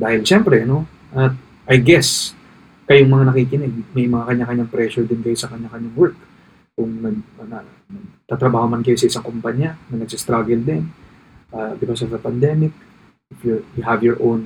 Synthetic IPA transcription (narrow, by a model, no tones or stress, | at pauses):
d̪aːhɪlʃɛmpɾɛno̞ | ʔɐt̪̚ | ʔɐjɡɛs | kɐjoŋmɐŋanɐkiːkɪnɛɡ̚mɐjmɐŋakɐɲːakɐɲːaŋpɾɛʃod̪ɪnkɐjosɐkɐɲːakɐɲaŋwɛɹk | kʊŋnɐɡ̚ɐnɐ | ɐɡt̪aːt̪ɾɐbaːhomankɐjosɐʔɪsaŋkompaɲanɐnɐɡ̚sist̪ɾaɡɛld̪ɪn | ʔabɪkosɔvd̪ɐpɐnd̪ɛmɪk̚ | ʔɪfjujʊɦɐvjɔɹʔown